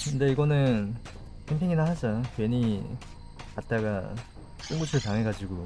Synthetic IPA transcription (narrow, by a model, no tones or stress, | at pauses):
kɯndeiɡʌnɯn | kʰempʰiŋinahad͡ʑakwe̞ɲi | kat̚t͈aɡa̰ | t͡ɕ͈ɯŋɡut͡ɕʰiɾotaŋɦeɡad͡ʑiɡo